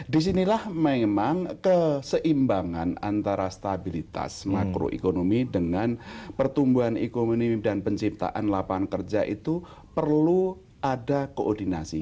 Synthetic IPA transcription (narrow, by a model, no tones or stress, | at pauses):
dis̬inilahmemaŋkəsəʔimbaŋanant̪aɾast̪abilit̪a̰smakɾo̰ʔḛkonomidəŋanpərt̪umbuanekomonidanpəɲt͡ʃip̚t̪a̰ʔanlapankərd͡ʒaʔit̪u | pərlu | adakoʔɔrdinasi